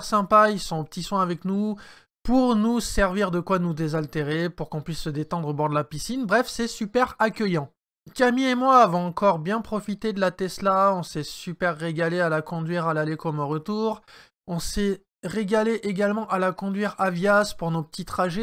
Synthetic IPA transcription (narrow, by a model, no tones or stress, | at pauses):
ʁsɛ̃pailsɔ̃opə̥t̪iswɛ̃avɛknu | puʁnusɛʁviʁd̪əkwanud̪ezalt̪eʁepuʁkɔ̃pɥisːəd̪et̪ɑ̃d̪ʁobɔʁd̪əlapisinbʁɛfsɛsypɛʁakʲœjɑ̃ | kamiemwavɔ̃ɑ̃kɔʁbjɛ̃pχɔfit̪ed̪əlat̪ɛslaɔ̃sɛsypɛʁːeɡalealakɔ̃d̪ɥiʁalalekɔmɔ̃ʁət̪uːʁ | ɔ̃sɛ | ʁeɡaleʔeɡalmɑ̃ʔalakɔ̃d̪ɥiʁavjaspuʁnopə̥t̪it̪χaʒɛ